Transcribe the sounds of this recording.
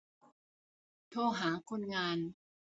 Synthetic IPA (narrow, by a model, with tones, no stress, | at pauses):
t̪ʰoː˧˩ɦaː˩˦kʰo˧nŋaː˧n